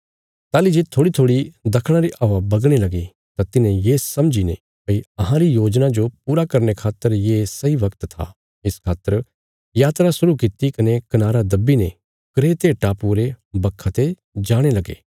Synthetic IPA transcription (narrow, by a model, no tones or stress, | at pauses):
t̪aːlid͡ʒet̪ʰoːɽit̪ʰoːɽid̪ɐkʰɽ̃aɾiʔaːabɐɡɽ̃elɐɡi | t̪at̪ɪnẽjeːsɐmd͡ʒinḛ̃ | pɐiɐɦãɾijoːd͡ʒnad͡ʒopuːɾakɐɾnekʰaːt̪ːəɾjeːsɐiʋɐkt̪t̪ʰa̰ | ɪskʰaːt̪ːəɾ | jaːt̪ɾasʊɾukɪt̪ikɐnekɐnaːɾad̪ɐbːinẽ | kɾeːt̪eʈaːpuɾebɐkʰːat̪e | d͡ʒaːɽ̃elɐɡḛː